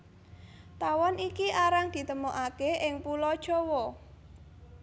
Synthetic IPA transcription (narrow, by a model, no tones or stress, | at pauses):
t̪awɔnikiʔaɾaŋd̪̥i̤t̪əmoʔakeɪŋpulɔd̥ʒ̥ɔwɔ